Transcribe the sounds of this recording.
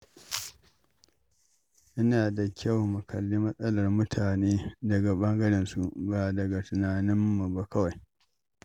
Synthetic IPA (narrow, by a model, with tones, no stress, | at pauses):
ʔɪ˦naː˨da˨kʲʰɐ˦˨wmʊ˨kɐ˨lːiː˦mɐ˦sʼɐ˦lɐ˨rmʊ˦tʰaː˨neː˦dɐ˨ɡa˨bɐ˦ŋɡɐ˦ɽɪ˨nsu˨baː˨dɐ˨ɡa˨tʊ˨naː˨nɪ˦mːu˨ba˦kɐ˦wa˨j